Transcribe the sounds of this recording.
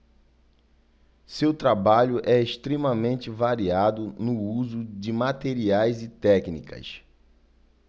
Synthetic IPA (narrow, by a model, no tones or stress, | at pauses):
sewt̪ɾabaʎʊʔɛeʃt̪ɾemɐmẽnt͡ʃɪvaɾiad̪ʊnʊuzʊd͡ʒɪmat̪eɾiajzɪt̪ɛknḭkɐ̰s